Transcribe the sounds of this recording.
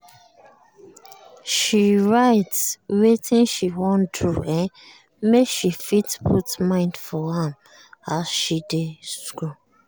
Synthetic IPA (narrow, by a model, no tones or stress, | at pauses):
ʃiɹaɪtswetʰĩnʃiwɔ̃ntɹuɛ̃n | mekʃifitpʰutmãɪ̃ndfɔhɛ̃m | asʃidesɡu